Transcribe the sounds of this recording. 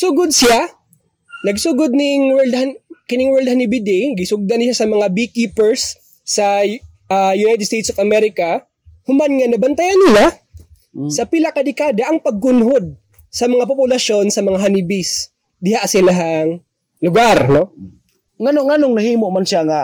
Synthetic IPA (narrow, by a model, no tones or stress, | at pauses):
sʊɡʊd̪̚sɪja | nɐɡsʊɡʊd̪̚nɪŋwɛɹld̪̚hankɪnɪŋwɛld̪̚hanɪbɪd̪ɪɡɪsʊɡ̚d̪anʃasɐmɐŋabikiːpɛɹsː | ɐ | ajʊnajt̪ɛd̪st̪ejt̪sofɐmɛɾɪka | hʊmanŋɐnɐbɐnt̪ɐjanːɪla | sɐpɪlɐkad̪ɪkad̪ɐʔɐŋpɐɡ̚kʊnɦod̪̚ | sɐmɐŋapʊpʊlɐʃo̞nsɐmɐŋaɦanɪbɪs | d̪ɪhaʔsɪlaɦaŋ | lʊɡaɾno | ŋɐnoʔŋanoŋnɐhiːmoʔmanʃaŋa